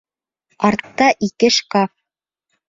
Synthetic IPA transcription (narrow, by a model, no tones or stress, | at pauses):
ɑɾt̪ːɑʔikɘʃkɑf